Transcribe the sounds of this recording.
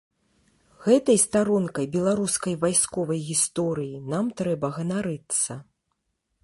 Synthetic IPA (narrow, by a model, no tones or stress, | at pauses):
ɣɛt̪ɐjst̪aɾɔnkɐjbʲɛlˠaɾuskɐjvajskɔvɐjɣʲist̪ɔɾɨjinamt̪ɾɛbɐɣɐnaɾɨt̪sɐ